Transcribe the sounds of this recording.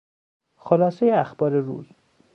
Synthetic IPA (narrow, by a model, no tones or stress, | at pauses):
xolɒːsejeæxbɒːɾeɾṵːz